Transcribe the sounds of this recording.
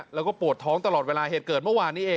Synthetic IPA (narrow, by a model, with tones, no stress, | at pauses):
lɛː˦˥wkɔː˥˩pu˨˩ət̪ʰːɔː˦˥ŋt̪a˧lɔː˨˩t̪̚weː˧laː˧ɦeː˨˩t̪̚kɤː˨˩t̪̚mɯ˥˩waː˧nːiː˦˥ʔeː˧